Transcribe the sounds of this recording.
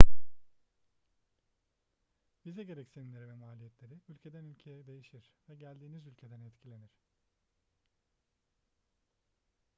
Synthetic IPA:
b̥izɛɟe̞ɾɛcsilʲeɾivɛmaːlʲijɛt̪ʰlʲe̞ɾiylʲcʰe̞d̪ænylʲcʰe̞jɛd̪e̞jiʃiɾ̥vɛɟælʲd̪iːnizylʲcʰe̞d̪ænɛt̪cʰilʲe̞niɾ̝̥

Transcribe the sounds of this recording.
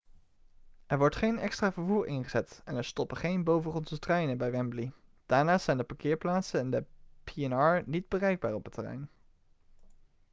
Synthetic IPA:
ɛɹʋɔɹtχejnɛkstraːvəɹvuːɹɪnχəz̥ɛtɛnɛɹstɔpəχejnbowvəχɔnzətrɛjnəbɛjʋɛmblid̥aːɹnaːszɛjndəpakɪːɹplaːtsənɪndəpiɛnɑːɹnid̚bərɛjɡ̚baːɹɔpətːərɛ̰jn

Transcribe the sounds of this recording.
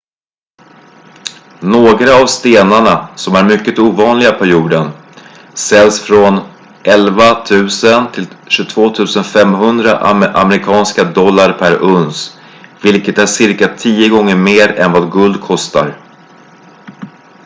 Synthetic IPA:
noːɡɾaːvst̪eːnaɳasɔmæɾmʏkːət̪uːvɑːnlɪɡapʰæɾjuːɖən | sɛlːsfɾɔn | ʔɛlvat̪ʰʉ̟ːsənt̪ʰɪlɕɵt̪ʰvoːt̪ʰʉ̟ːsənfɛmɦɵnd̪ɾaʔʔa̰mɛɾɪkʰɑːnskad̪ɔlːaɾpʰæɾɵns | vɪlkət̪æʂɪɾkat̪ʰiːəɡɔŋːəɾmeːɾɛ̰nvɑːd̪ɡɵld̪̚kʰɔst̪a̰ɾ

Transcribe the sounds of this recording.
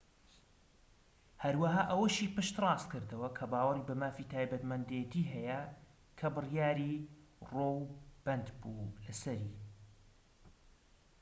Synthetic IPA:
hɐɾwaɦaːʔɐwɐʃiːpɨʃt̪rˤɑːst̪kɨɾd̪ɐwɐkʰɐbaːwɐribɐmaːfiːt̪ʰaːjbɐt̪mɐnd̪ejɛt̪ʰiːɦɐjɐ | kʰɐbɨrjaːɾiːrowb̥ɐnd̪bulɐsɐɾiː

